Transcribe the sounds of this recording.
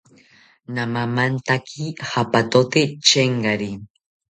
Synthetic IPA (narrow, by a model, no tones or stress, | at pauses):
namamant̪akʰihapat̪ot̪et͡ʃeɴɢaɾi